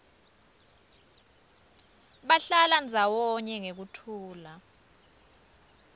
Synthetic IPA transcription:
ɓaɬaland͡zʱawɔɲɛŋek̬utʰuːla

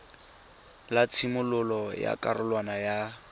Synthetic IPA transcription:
lat͡sʰimʊlʊlɔja̰kʼarʊlwanaja

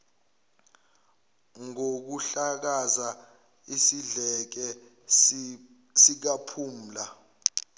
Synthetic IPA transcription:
ŋok̬uɬak̬aza | isiɮɛk̬ɛ | sik̬apʰum̩la

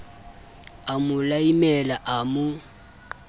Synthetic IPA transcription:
amʊlaimɛlaʔamʊ

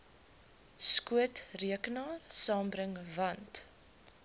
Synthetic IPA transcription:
skuətriəkənɑːrsɑːmbɾəŋvɐnt

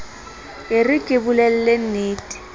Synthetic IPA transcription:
ɪrɪkʼɪbulɛl̩len̩neːtʼi̥

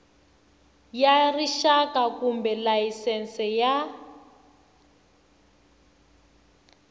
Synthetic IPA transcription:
jariʃakakumbɛlaisɛnsɛja

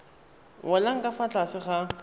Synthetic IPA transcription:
wʊlaŋ̩kʼafat͡ɬʼasɪχa

